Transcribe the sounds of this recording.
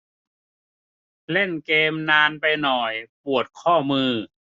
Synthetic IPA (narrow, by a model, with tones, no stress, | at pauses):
le˥˩nkeː˧mnaː˧npa˧jnɔ˨˩jpu˨˩ət̪̚kʰɔː˥˩mɯː˧